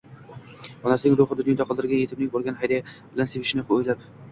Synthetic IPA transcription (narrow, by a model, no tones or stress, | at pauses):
ɒnasɪnɪŋɾʊχɨd̪ʊnjd̪aqʰlˠd̪ɪɾɡʲanje̞t̪ʰɪb̚nɪŋbolˠɡʲanhajd̪abɪlansebɪʃɪnɪqʰojlap